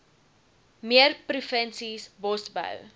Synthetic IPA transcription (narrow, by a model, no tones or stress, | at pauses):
miərprufənsisbɔsbə̰w